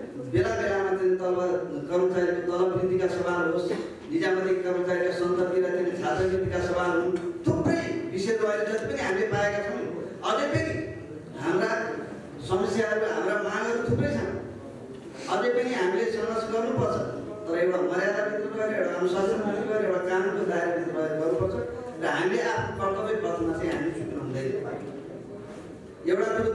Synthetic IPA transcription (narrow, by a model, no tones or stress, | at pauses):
belabelamat̪enit̪ʌlbʌɡʌrnʌt͡sʰʌt̪ʌlʌbɾid̪ʱikasʌbʱalɦos | nid͡zamʌt̪ikʌpʌt̪aekasʌnt̪ʌrt̪iɾat̪inisʰasʌbit̪ikasʌbalɦunt̪ʰupːrʌjbised̪ʌbajled͡zʌst̪ipʌniɦamilepaekat͡sʰʌw̃ʌlepʰeɾi | ɦamra | sʌmʌsjaʌɾuɦa̰mɾamanɦʌɾut̪ʰuprʌjsʰãŋ | ʌlepʌniɦamilesʌɾmʌsɡʌrnupʌrt͡sʰʌ | t̪ʌɾʌewɽamʌɾjad̪abit̪ukʌɾiewɽakamosʌd͡zʌnmʰʌnt̪iɡʌɾewɽakamkod̪aiɾebinɾʌʌd̪ɡʌrnupʌrt͡sʰʌrʌɦamileʔapʰnokʌrk̪ʌbepʌt̪ʰʌmat͡saĩɦamietʰuk̪nʌɦũnd̪ʌjpa̰ | ewɽaku